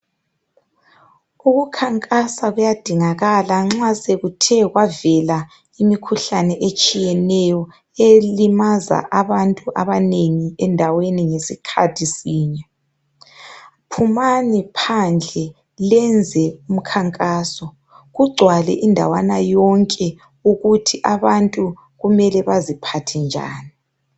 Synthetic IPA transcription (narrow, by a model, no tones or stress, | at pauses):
uɣukʰaŋkʼasaɣujad̥ʱiŋaɣalaŋ͡ǁaseɣutʰɛɣwavɛla | imikʰuɬanɛʔet͡ʃʼijɛnɛjɔ | elimaza̰ʔaβantʼuʔaβaneŋiɛndʱaweniŋesikʰatʰisiːɲɛ | pʰumanipʰand͡ɮʱɛ | lɛnd͡zʱɛum̩kʰaŋkʼaːsɔ | ɣuɡ͡ǀʱwalɛ̰ʔindʱa̰wanajɔŋkʼɛ | uɣutʰiʔaβantʼu | ɣumɛlɛβazipʰatʰɛnd͡ʒʱa̰ːni